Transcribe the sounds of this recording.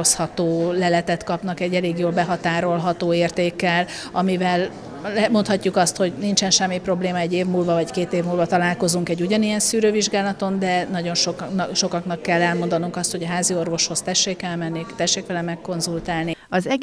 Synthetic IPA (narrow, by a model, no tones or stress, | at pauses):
oshɒt̪oːlɛlɛt̪ɛt̪kɒpn̪ɒkɛɟːɛleːɡjoːlbɛɦɒt̪aːɾo̞lɦɒt̪oːeːrt̪eːkːɛl | ɒmivɛlː | ɛmo̞nt̪hɒcːukɒst̪ho̞ɟnint͡ʃɛnʃɛmːipro̞bleːmɒɛɟːeːvmuːlvɒvɒckeːt̪eːvmuːlvɒt̪ɒlaːlko̞zuŋkɛɟuɟɒnijɛnsyːɾøːviʒɡaːlɒt̪o̞nd̪ɛnɒɟo̞nʃoʃo̞kɒknɒkːɛlːɛlmo̞nd̪ɒnuŋkɒst̪ho̞ɟɒɦaːzio̞rvo̞ʃho̞st̪ɛʃːeːkːɛlmɛnːikt̪ɛʃːeːkʋɛlɛmɛkːo̞nzult̪aːlniɒzɛɡ